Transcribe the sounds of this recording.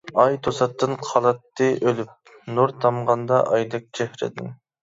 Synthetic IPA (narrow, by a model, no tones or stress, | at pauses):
ɑjt̪ʰosɑt̪ːɨnqʰɑlˠɑt̪ːɨʔølyp̚ | nuɾt̪ʰɑmʁɑnd̪ɑʔɑjd̪ɨk̚t͡ʃʰɛhɾɪ̰d̪ɪn